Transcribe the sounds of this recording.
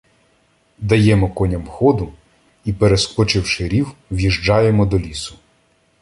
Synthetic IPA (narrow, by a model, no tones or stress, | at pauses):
d̪ɐjɛmɔkɔnʲɐmxɔd̪ʊ | ipeɾeskɔt͡ʃɪwʃɪɾʲiwwjiʒd͡ʒɑjemɔd̪ɔlʲisʊ̥